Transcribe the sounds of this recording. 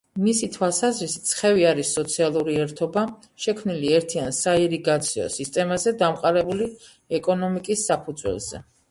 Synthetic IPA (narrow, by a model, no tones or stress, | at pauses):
misit̪ʰwalˠsazɾisi̥t̪sʰχɛviaɾisːɔt̪sʰialˠuɾiɛɾt̪ʰɔba | ʃɛkʰmniliɛɾt̪ʰiansaiɾiɡat̪sʰiɔ̰sist̪ʼɛmazɛd̪amqʼaɾɛbuli | ɛkʼɔnɔmikʼisːapʰud̪zwɛ̰lˠz̥ɛ̰